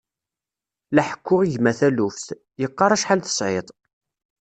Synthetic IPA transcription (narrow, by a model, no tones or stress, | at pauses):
læħə̥kːʊʁiʝmæθælufθ | jəqːɑɾˤæʃħalθə̥sˤʕet̪ˤ